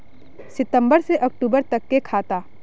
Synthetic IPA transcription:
sɪt̪ə̃mbəɾseʔɐk̚ʈuːbəɾt̪ɐkːekʰaːt̪aː

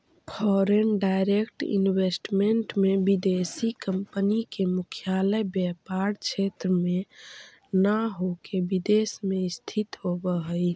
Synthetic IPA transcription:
pʰɔɾenɖaɪɾekʈḭnwesʈmeɳʈmebid̪esikəmpənikemʊkʰjaləjbjɛpaɾt͡ʃʰet̪ɾəme | naɦokebid̪esmeɪst̪ʰit̪ɦobəɦəj

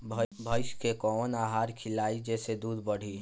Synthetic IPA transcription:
bʱbʱɐɪʃkekɔːnaːɦaːɾkʰɪlaːid͡ʒɛːsed̪uːd̪bɐɽ̤iː

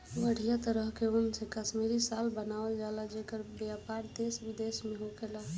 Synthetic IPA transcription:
ʋəɽ̤ijat̪əɾəɦkeonsekəʃmiɾisalbənaʋəld͡ʒalad͡ʒekəɾbjapaɾd̪esbid̪esmeɦokela

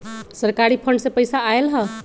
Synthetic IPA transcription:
səɾkaɾipʰəɳɖsẽpəjsaːelɦə

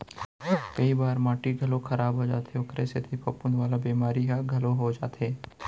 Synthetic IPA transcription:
kɐibaːɾmãːʈiɡʱɐlokʰɐɾaːbɦod͡ʒa̰ːt̪eʊkɾeset̪ʰipʰɐpʊnʋaːlabiːmaːɾiɦɛɡʱɐloɦod͡ʒa̰ːt̪eː

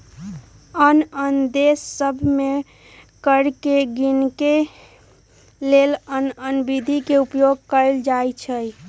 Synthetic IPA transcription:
ənənd̪esːəbʱme | kəɾkeɡinke | lelənənbid̪ʱikeupjoɡkəld͡ʒajt͡ʃʰəj

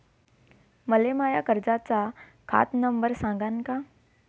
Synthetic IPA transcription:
məlemaːjakəɾd͡ʒat͡ʃa | kʰa̰ːt̪nəmbəɾsãːɡaːnka

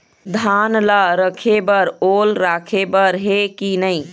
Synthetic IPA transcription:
d̪ʱanlaɾəkʰebəɾolɾakʰebəɾɦekinəɪ

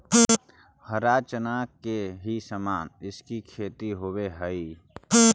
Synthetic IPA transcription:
həɾaːt͡ʃənaːkeɦisəmaːnɪskikʰeːt̪iɦoweɦəi

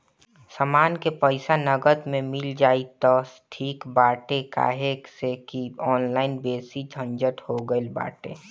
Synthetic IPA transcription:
samaːnkepəɪsanəɡəd̪mẽmɪld͡ʒaːit̪ɔsʈʰiːkbaːʈeka̰ːɦeksekiɔːnlaːɪnbeːsid͡ʒʱə̃nd͡ʒəʈhoɡəelba̰ːʈḛ

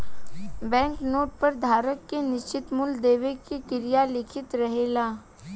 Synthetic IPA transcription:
bɛ̃ːŋknoːʈ̚pɐɾd̪ʱaːɾəkːenɪʃt͡ʃɪt̪mʊld̪eːʋekikɪɾijalɪkʰɪt̪ɾɐɦeːlaː

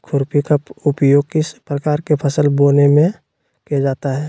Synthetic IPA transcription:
kʰʊɾpikəpʊpjoːɡ̚kɪspɾəkaːɾkepʰəsəlboːnemẽ | kijad͡ʒaːt̪aɦɛː

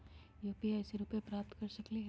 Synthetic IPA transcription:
joːpiɛːseɾuːpẽpɾaːp̚t̪kɐɾsɐkliɦ

